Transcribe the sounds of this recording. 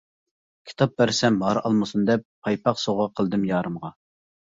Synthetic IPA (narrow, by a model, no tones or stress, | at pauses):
kʲʰi̥t̪ʰɑp̚bæɾsɛmɦɑɾɑ̰lˠmɨsund̪ɛpʰːɑjpɑqsoʁɑqʰəlˠd̪ɨmjɑːɾɨmʁɑ